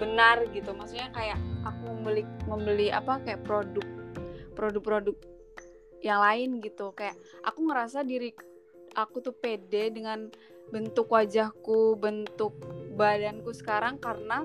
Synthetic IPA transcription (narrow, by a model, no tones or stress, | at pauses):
bənarɡit̪umaksuk̚ɲakajaʔakuməmbəlɪməmbəlia̰pakajaʔpɾodʊk̚pɾodʊk̚pɾodʊk̚ | jaŋlaɪnɡit̪ukajaʔ | a̰kuŋəɾasadiɾi | ʔakut̪upedɛdəŋan | bənt̪ʊkwad͡ʒahkubənt̪ʊk̚badankusə̥kaɾaŋkarəna